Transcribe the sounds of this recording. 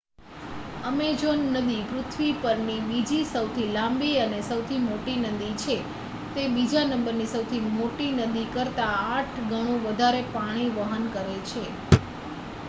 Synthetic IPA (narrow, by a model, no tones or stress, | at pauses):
əmed͡ʒonːəd̪ikɾʊt̪ʰʋipəɾnibid͡ʒisəwt̪ʰilãmbiənesəwt̪ʰimoʈinəd̪it͡ʃʰe | t̪ebid͡ʒanə̃mbəɾnisəwt̪ʰimoʈinəd̪ikəɾt̪aːʈʰɡʱəɽ̃ũʋəd̪ʱaɾepaɽ̃iʋəɦənkəɾet͡ʃʰe